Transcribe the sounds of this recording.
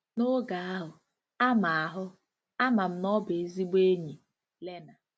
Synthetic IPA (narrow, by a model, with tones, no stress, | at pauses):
no˦ɡa˨a˦ɦʊ˨ | a˦ma˨a˨ɦʊ˦ | a˦ma˨m̩˦nɔ˦be˨e˦zi˦ɡ͡be˦ɲi˨ | le˦na˨